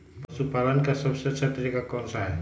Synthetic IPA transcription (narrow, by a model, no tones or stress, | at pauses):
pəsupaːlənkasəbset͡ʃʰət̪ɾikakɔːnsaɦɛ